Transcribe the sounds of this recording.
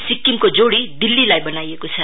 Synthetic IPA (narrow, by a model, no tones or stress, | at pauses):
sikːimkod͡zoɽid̪ilːilajbʌnajekot͡sʰʌ